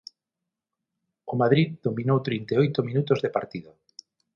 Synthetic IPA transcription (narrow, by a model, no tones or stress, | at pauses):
ʊmaðɾiððomĩnowt̪ɾint̪eojt̪ʊminut̪ozðepaɾt̪iðʊ